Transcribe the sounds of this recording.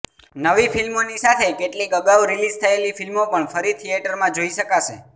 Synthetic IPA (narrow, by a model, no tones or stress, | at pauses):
nəʋifilmonisat̪ʰekeʈlikəɡaʋɾilid͡ʒt̪ʰəelifilmopəɳfəɾit̪ʰieʈəɾmãd͡ʒoiʃəkaʃe